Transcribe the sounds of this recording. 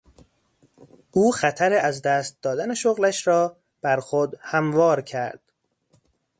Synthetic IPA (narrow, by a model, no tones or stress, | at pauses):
ʔuːxæt̪ʰæɾeæzd̪æːst̪̚d̪ɒːd̪æne̞ʃoɣlæʃɾɒː | b̥æɾxod̪hæmvɒːɾcʰæɾd̪̥